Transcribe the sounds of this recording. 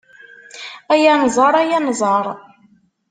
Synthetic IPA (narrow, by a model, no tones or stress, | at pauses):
æjænzˤɑɾˤæjænzˤɑɾˤ